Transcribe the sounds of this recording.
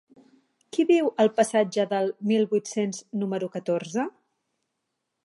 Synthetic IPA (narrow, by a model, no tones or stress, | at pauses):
kiβiwəlˠpəsad͡ʒəðəlˠmilˠbuit̪senznuməɾukət̪oɾzə